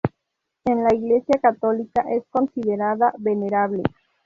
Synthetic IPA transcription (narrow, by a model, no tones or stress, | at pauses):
enlaiɣlesjakat̪olikaʔeskonsiðeɾaðaβeneɾaβlḛ